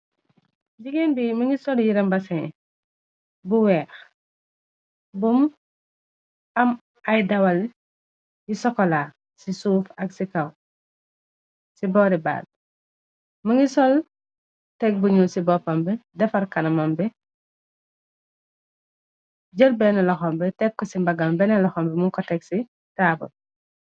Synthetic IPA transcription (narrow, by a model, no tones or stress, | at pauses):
ɟiɡenbimɐŋɡisɔljiɾɛmbasɛ | buwɛːx | bum | ɐm | ajdɐwal | jisɔkɔlaː | sisuːfɐɡsikaw | sibɔɾiba̰ːd̚ | mɐŋisɔl | tɛk̚buɲulsibɔpɐmbɛdɛfɐɾkɐnɐmɐmbɛ | ɟəlbɛnɐlɐxɔmbɛtɛkːɔsimbɐɡɐmbɛnɛlɐxɔmbɛmuŋkɔtɛksi | taːbṵ